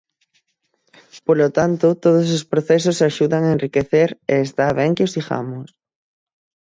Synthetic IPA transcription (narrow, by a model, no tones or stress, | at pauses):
polot̪ant̪ʊt̪oð̞ʊs̬ospɾoθɛs̬ʊsaʃuðaŋaenrikeθeɾeːst̪aβ̞ɛŋkɪosðixa̰mʊs